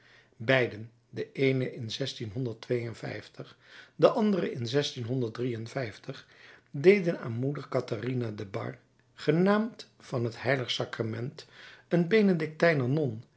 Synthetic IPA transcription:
bɛjdən | dəʔejnəʔɪnzɛstinɦɔndəɹtʋejənvɛ̰jftəχdəʔɑndərəɪnzɛstinɦɔndəɹt̚driənvɛjftəχdejdəna̰ːnmudəɹkɑtarinadəbɑ̰ɹ | χənaːmt | fɑnɦətɦɛjləχsɑkramɛntənbejnədɪk̚tɛjnəɹnɔn

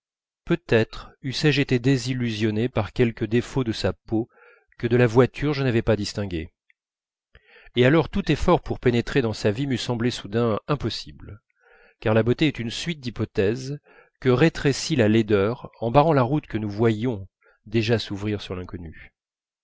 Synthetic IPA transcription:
pøt̪ɛt̪χysɛʒet̪ed̪ezilːyzjɔnepaʁkʲɛlkəd̪efod̪əsapo | kəd̪əlavwat̪ʰyʁʒənavɛpad̪ist̪ɛ̃ɡʲe | ealɔʁt̪ut̪efɔʁpuʁpenet̪χed̪ɑ̃savimysɑ̃blesud̪ɛ̃ɛ̃pɔsibl | kaʁlabot̪eɛt̪ynsɥit̪̚d̪ipɔt̪ɛz | kəʁet̪χesilaled̪œʁɑ̃baʁɑ̃laʁut̪kənuvwajɔ̃ | d̪eʒasuvʁiʁsyʁlɛ̃kɔny

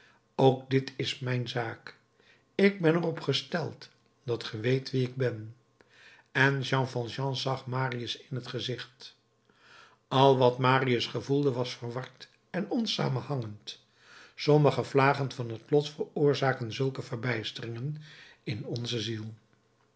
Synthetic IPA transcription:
owkdɪtʰɪsmɛjnzaːk | ɪɡ̚bɛnərɔpχəstɛ̰lˠt | d̥ɑtχəʋejtʋiɪɡ̚bɛn | ɛnʒɑ̃fɑlˠʒɑ̃zɑχmaːriəsɪnɦətχəzɪχt | ɑlˠʋɑtmaːriəsχəvulˠdəʋɑsfərʋɑɹt | ɛnɔnsa̰ːmənhɑŋənt | sɔməχəvlaːχənvɑnɦətlɔtfəɹʊːɹzaːkənzɵlˠkəvərbɛjstərɪŋən | ɪnɔnzəzilˠ

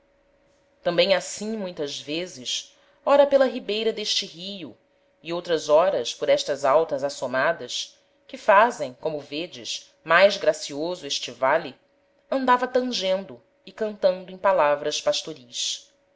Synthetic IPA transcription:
t̪ɐ̃mbẽj̃asĩmũj̃t̪ɐzvezɪs | ɔɾɐpelɐɦibejɾɐd̪eʃt͡ʃɪɦijʊ | iowt̪ɾɐzɔɾɐspʊɾɛʃt̪ɐzawt̪ɐzasomad̪ɐs | kɪfazẽj̃kõmʊved͡ʒɪ̰ʃ | majzɡɾasiozʊeʃt͡ʃivali | ɐ̃nd̪avɐt̪ɐ̃ŋʒẽnd̪ʊ | ɪkɐ̃nt̪ɐ̃nd̪ʊẽj̃palavɾɐspaʃt̪oɾis

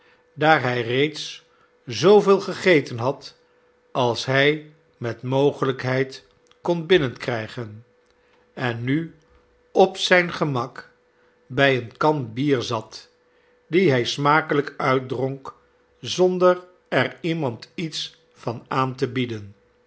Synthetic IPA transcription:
daːɹɦɛjrejts | zowvɪːlˠχəχejtənɦɑt | ɑlˠsɦɛj | mɛtmowχələkɦɛjt | kɔnbɪnənkrɛjχən | ɛnːy | ɔpsɛjnχəmɑk | bɛjənkɑnbiːɹzɑt | diɦɛjsmaːkələkœɥt̚drɔŋk | zɔndər | ɛrimɑntits | fɑnaːntəbidən

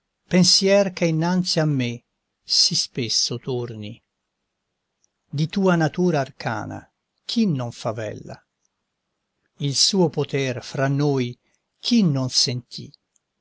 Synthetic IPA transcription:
pensjɛrkeinːant̪siamːe | sispesːot̪urni | d̪it̪uːanat̪uːɾaːrkʰa̰ːna̰ | kʰinːoɱfavɛ̰lːa̰ | ilsuːopot̪ɛrfɾanːoːj | k̟ʰinːonsent̪ʰḭ

